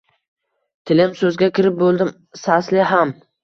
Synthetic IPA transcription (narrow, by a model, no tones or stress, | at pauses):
t̪ʰɪlɪmsɵzɡʲakʲɪɾɪp̚bolˠd̪ɪm | saslɪɦam